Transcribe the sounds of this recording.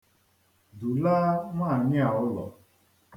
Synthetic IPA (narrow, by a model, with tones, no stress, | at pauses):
du˨la˦ŋʷa˦˨a˨ɲɪ˦a˨ʊ˦lɔ̰˨